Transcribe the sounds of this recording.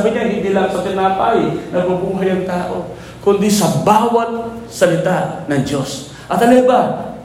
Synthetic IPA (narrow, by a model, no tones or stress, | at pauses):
bɪɲaɦɪnd̪ilaŋsɐt̪ɪnaːt̪ajnɐɡ̚babuːɦajɐŋt̪aːʔo̰ | kʊnd̪ɪsɐbaːwat̪̚sɐlɪt̪aʔnɐŋd͡ʒos | ʔɐt̪ɐlɛba